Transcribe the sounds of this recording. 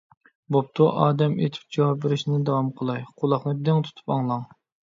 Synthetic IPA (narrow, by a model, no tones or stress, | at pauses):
bop̚t̪ʰuʔɑːd̪ɛmḛt̪ʰɪ̥p̚d͡ʒɑwɑpveɾɪʃnɪd̪ɑwɑmqʰəlˠɑjqʰʊlˠɑχnɨd̪ɪŋt̪ʰu̥t̪ʰu̥pɑŋlˠɑŋ